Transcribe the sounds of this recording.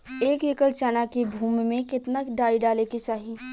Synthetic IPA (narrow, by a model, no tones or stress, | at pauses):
eːkekəɽt͡ʃaːnakebʱuːmmẽkɪt̪naɖaːiɖaːlekit͡ʃaːɦiː